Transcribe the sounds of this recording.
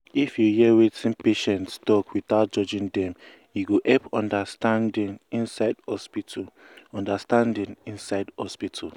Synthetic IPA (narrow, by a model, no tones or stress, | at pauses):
ifjuhiɛwetʰĩnpeʃɛ̃ntstɔkwitaʊt̚d͡ʒɔd͡ʒĩndɛ̃m | juɡoʔɛpɔ̃ndastãndĩnĩnsadɔspit | ɔ̃ndastãndĩnĩnsaɪdhɔspitʰal